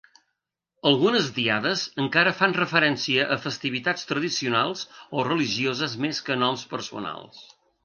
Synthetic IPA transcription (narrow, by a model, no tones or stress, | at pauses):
əlˠɣunəzd̪iaðəzəŋkaɾəfanrəfəɾɛnsiəʔəfəst̪iβit̪at͡st̪ɾəðisiunalˠzorəliʒiozəzmeskənɔmspəɾsṵna̰lˠs